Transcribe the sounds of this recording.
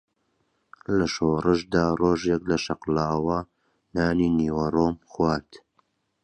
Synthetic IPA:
lɐʃoːrɨʃd̪aːroːʒeklɐʃɐqlaːwɐ | naːniːniːwɐroːmxwaːɾt̪

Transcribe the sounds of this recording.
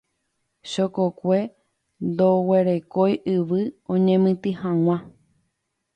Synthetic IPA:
ʃokokʷe̞ | nd̪oweɾe̞kojʔɨʋɨõɲẽmɨ̃t̪ɨhãw̃ã

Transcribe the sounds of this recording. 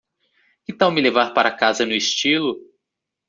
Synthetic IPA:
kɪt̪ãw̃mɪlevaɾpaɾɐakazɐnʊist͡ʃilʊ

